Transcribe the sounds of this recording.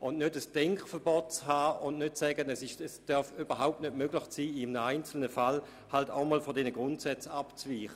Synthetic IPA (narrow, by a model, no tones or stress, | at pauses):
ʊnnøtəsd̥ɛŋkχfəɐbɔːtt͡shaːʊntnøtsɛːɡənɛsɪʃɛsd̥œɐfyb̥ɐɦaʊp̚tnøtmøɡlɪχsiːɪmənəaɪnt͡sl̩nəfal | halta̰ʊmɔːlfɔdɛnəɡ̥ʁʊntsɛt͡sapt͡sviːχə